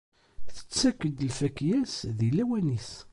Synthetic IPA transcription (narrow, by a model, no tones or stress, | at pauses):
θə̥t͡sːækːəd̪əlfækːjæsðilːæwænis